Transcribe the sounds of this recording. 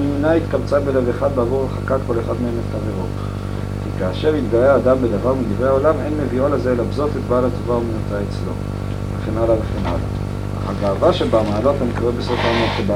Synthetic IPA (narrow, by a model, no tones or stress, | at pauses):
munait̪kabt͡sabe̞le̞veχad̪̚beːvuʁaχakat̚ko̞le̞χad̪meemet̪χaveʁot | kikaːʃe̞ʁit̪ɡaeaːd̪ambed̪avaʁmid̪ivʁeao̞lame̞nmeviolezelabzo̞t̪et̪baːlat̪ovaumenut̪aet͡slo̞̰ | veχenalaveχenʔa̰la̰ | a̰χaɡaːvaʃebamaːlo̞t̪anikoʁebeso̞faːmonkeb